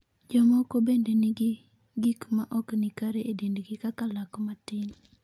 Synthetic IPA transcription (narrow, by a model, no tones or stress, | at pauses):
d͡ʒɔmɔkobendeniɡ | ɡikmaʔɔknɪkaɾeʔedendɡɪkakalakmatɪn